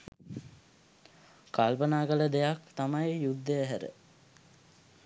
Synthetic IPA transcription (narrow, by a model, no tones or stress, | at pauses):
kalpənaːkələd̪ejakt̪amajjud̪ːəæɦæɾə̰